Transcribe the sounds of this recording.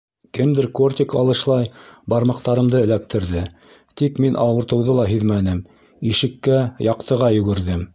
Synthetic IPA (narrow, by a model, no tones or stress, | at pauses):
kɘmd̪ɘɾkort̪ʲɪkɑ̰lˠɤ̆ʃlˠɑjbɑɾmɑq̚t̪ɑɾɤ̆md̪ɤɘ̆læk̚t̪ʰɘ̆ɾðɘ | t̪ikminʔɑwɤ̆ɾt̪ɤ̆wðɤlˠɑɦiðmænɘm | iʃɘ̆kːæjɑqt̪ɤ̆ʁɑjɵ̆ɡɘ̆ɾðɘm